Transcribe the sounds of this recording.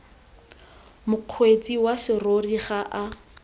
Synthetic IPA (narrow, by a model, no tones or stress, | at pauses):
mʊq͡χʰwet͡sʼiwaʃɪroriχaʔa